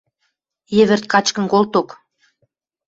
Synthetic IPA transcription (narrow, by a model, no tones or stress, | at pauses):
jĕβɘ̆rt̪̚kɑt͡ɕkə̆nkolt̪ok